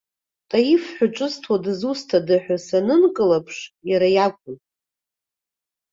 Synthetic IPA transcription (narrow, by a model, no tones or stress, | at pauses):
tʼajifħʷᶣʊʈ͡ʂʷʼɨstʰwadzustʰadɨħʷᶣasanɨnkʼɨlapʰʂjaɾajakʷʼʊnʼ